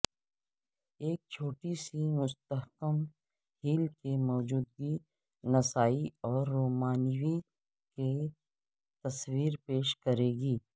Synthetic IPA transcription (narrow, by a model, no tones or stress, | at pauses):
eːk̚t͡ʃʰoːʈisimʊst̪əɦkəm | hiːlkemɔːd͡ʒuːd̪̚ɡi | nɐsaːiɔːɾːoːmaːnwi | ke | t̪ɐswiːɾpeːʃkɐɾeːɡiː